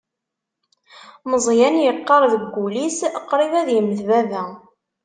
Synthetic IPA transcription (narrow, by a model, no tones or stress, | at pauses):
məzˤjænjəqːɑɾˤðəɡʷːulisəqːɾˤivæðjəmðvævæ